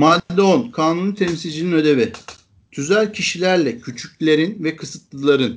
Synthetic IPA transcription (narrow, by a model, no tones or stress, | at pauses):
maːd̪d̪ɛonkʰaːnunut̪ʰɛmsilʲd͡ʒininø̞d̪e̞vi | t̪ʰyzælʲcʰiʃilʲæɾlʲɛcʰyt͡ʃʰycʲlʲe̞ɾinvɛkʰɯsɯt̪lˠɯlˠaɾɯn